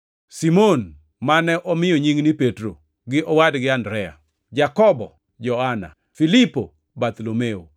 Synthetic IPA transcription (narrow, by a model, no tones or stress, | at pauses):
simon | manɛʔɔmɪjoɲiŋnipetɾo | ɡɪʔɔwadɡɪandɾɛa̰ | d͡ʒakɔbɔ̰ | d͡ʒɔana̰ | filipo | bat̪lomeo